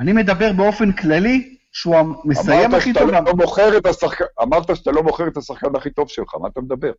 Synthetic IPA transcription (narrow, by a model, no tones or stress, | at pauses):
anime̞d̪abe̞ʁbeo̞fe̞nklali | ʃeuamḛsajemaχit̪olvaomoχeʁet̪asaχkaamaʁt̪aʃat̪alo̞mo̞χeʁet̪asaχkanaχit̪o̞vʃelχa̰ma̰ːt̪amed̪abe̞ʁ